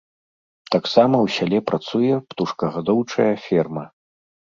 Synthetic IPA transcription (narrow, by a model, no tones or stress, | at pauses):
t̪aksamɐwsʲalʲɛpɾʔat̪sujɛpt̪uʂkɐɣad̪ɔwt͡ʂɐjɐfʲɛrmɐ